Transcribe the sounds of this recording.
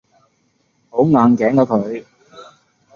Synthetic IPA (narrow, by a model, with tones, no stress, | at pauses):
ho˨˥wŋaː˨˧nkɛː˨˥ŋkɔː˨˥kʰɵ˨˧˥ɥ